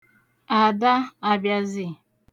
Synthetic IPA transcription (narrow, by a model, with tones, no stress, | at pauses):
a˨da˦a˨bja˦zi˨